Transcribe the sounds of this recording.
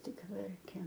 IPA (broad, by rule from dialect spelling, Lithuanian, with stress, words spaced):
ˈtʲɪk ˈʋʲɛrʲkʲeːm